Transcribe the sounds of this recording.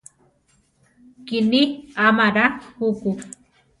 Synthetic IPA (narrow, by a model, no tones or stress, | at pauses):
kɪniamaɾahuku